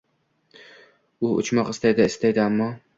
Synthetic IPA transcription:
ʊʊ̰t͡ʃmɒqɪst̪ajd̪aɪst̪ajd̪ɪamːɒ

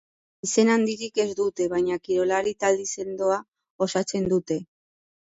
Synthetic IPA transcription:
ise̞nand̪iɾike̞zd̪ut̪e̞βajɲakiɾo̞laɾit̪ald̪ise̞nd̪oa | osat͡se̞nd̪ut̪e̞

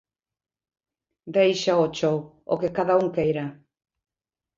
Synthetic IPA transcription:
d̪ejʃaot͡ʃowo̰kekaðauŋkejɾa

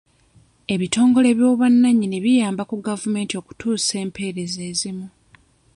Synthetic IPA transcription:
e̞βito̞ːŋɡo̞le̞βjo̞ːβanːaɲːiniβijaːmbakuɡavume̞ːntio̞ːku̥tuːse̞ːmpʰe̞ːɾe̞ze̞ːzimu

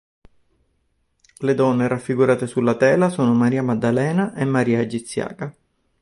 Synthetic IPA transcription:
led̪ɔnːeɾafːiɡuɾaːt̪esulːat̪ɛːlasoːnomaɾiːamad̪ːalɛːnaʔemːaɾiːad͡ʒːit̪sːja̰ːka

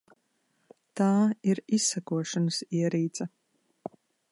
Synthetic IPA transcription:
t̪aːiɾisɐkuɔʃɐnɨsiɛɾiːt̪zʼɐ

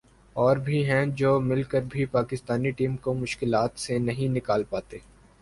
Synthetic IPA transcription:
ɔːɾbʱiɦɛ̃d͡ʒoːmɪlkəɾbʱipaːkɪst̪aːniʈiːmkomʊʃkɪlaːt̪senɐɦĩnɪkaːlpaːt̪eː

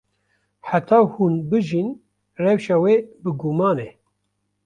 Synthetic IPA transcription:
ħat̪ʰɑːhunbɨʒin | rɛwʃɑweːbɨɡumɑːne

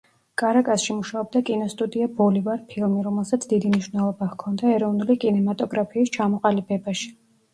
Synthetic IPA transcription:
kʼaɾakʼasʃimuʃaɔb̚d̪akʼinɔst̪ʼud̪iabɔlivaɾipʰilˠmiɾɔmɛlˠsat̪sʰd̪id̪imniʃvnɛlˠɔbahkʰɔnd̪aɛɾɔvnulikʼinɛmat̪ʼɔɡɾapʰiːst͡ʃʰamɔqʼalibɛbaʃi̥

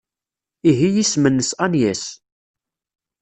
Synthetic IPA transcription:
iɦijismənːəsænjæs

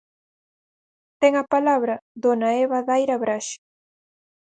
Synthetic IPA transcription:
t̪ɛŋɐpalaβɾɐðonaɛβaðajɾɐβɾaʃɪ̥

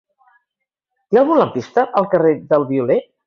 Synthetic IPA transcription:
t̪ealˠɣunləmpist̪əʔəlˠkəreðəlˠβiule

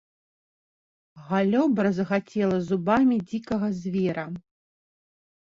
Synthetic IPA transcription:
ɣalʲɔbɾɐzɐɣat͡sʲɛlˠɐzubamʲid͡zʲikɐɣɐzʲvʲɛɾɐ

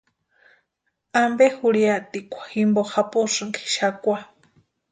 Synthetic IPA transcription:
ambehuɺiat̪ikʷḁximboxapuʂɨŋkʰi̥ʃakʷa

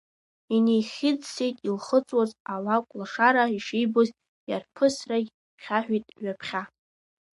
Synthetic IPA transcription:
inejχʲɪd͡zsejtʼilχət͡sʼwazalakʷʼlaʂaɾaiʂejboz | jarpʰɨsraɡʲ | χʲʰaħᶣʷitʼɥapʰχʲa

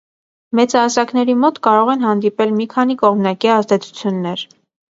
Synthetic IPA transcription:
mɛt͡sɑsɑknɛɾimɔt̪kɑɾɔʁɛn̪ɦɑnd̪ipɛlmikʰɑn̪ikɔʁmnɑkiɑzd̪ɛt͡sʰu̥t͡sʰjunːɛɾ

